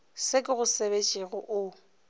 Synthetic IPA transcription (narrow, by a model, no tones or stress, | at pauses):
sekʼɪɣʊseβet͡ʃʼiɣʊʔʊ